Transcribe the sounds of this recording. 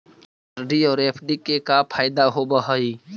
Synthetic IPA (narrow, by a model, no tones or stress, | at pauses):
əɾɖiɔːɾeːpʰɖikekapʰaːɪd̪aɦobəɦəi